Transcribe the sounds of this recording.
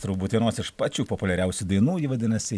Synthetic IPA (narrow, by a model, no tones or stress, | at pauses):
t̪ɾɐʊbuːt̪ʋʲiɛnoːsɪʃpɑːt͡ʃʲuːpopʊlʲɛɾʲɛʊsʲud̪ɐɪnuːjɪʋɐd̪ʲɪnɐsʲɪ